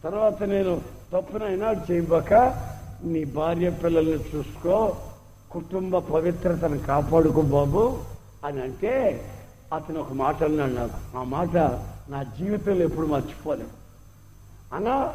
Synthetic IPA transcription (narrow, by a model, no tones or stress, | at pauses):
t̪ɐɾʋaːt̪ɐne̞ːnut̪ɐpːunɐjnaːɽut͡ʃɛːjɐbaːkaniːbʱaːɾjɐpɪlːɐlnit͡ʃuːsu̥koː | kuʈumbɐpɐʋit̪ɾɐt̪ɐnɐkaːpaːɽukɔbaːbu | ɐniɐɳʈe̞ː | ɐt̪ɐniɔkɐmaːʈɐnːaɽnaːɾuaːmaːʈɐnaːd͡ʒiːʋit̪ɐlːepːuɽumɐɾt͡ʃi̥poːleːd̪u | ɐnaː